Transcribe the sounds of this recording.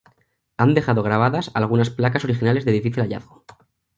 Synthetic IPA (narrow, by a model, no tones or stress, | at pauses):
and̪e̞xaðo̞ɣ̞ɾaβ̞aðasa̰lɣ̞unasplakaso̞ɾixinale̞zðeðifiθilaʎa̰θɣo